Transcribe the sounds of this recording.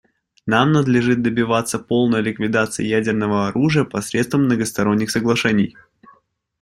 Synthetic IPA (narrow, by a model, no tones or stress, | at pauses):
namnəd̪lʲɪʐɨt̪̚d̪əbʲɪvat̪sːəpo̞lˠnəjəlʲɪkvʲɪd̪at̪sɨjɪ̰jædʲɪrnəvəɐɾuʐɨjəpɐsɾʲet̪st̪vəmnəɡəst̪ɐɾo̞nʲːɪxsəɡlˠɐʂɛnʲɪj